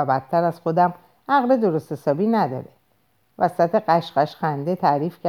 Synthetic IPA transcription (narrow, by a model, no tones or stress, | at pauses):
æbæt̪ʰːæɾæz̥xod̪æm | ʔæɣle̞d̪o̞ɾost̪he̞sɒːbiːnæd̪ɒ̰ɾe | væsæt̪ʰe̞ɢæʃɢæʃxænd̪e̞t̪ʰæɾiːfcʰæ